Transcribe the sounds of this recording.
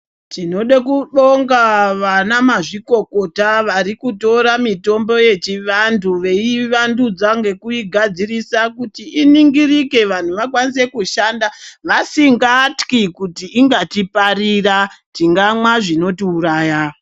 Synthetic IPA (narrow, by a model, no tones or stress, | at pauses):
tino̞ɗekuɗo̞ŋɡaʋanamaʐiko̞ko̞taʋaɾikuto̞ɾamito̞mbo̞je̞t͡ʃiʋanduʋe̞iʋandud͡zaŋɡe̞kuiɡʱad͡zirisakutiʔiniŋɡirike̞ʋan̤uʋakwanise̞kuʃandaʋasiŋɡatkikutiːŋɡatipariratiŋɡamwaʐino̞tiuɾaːja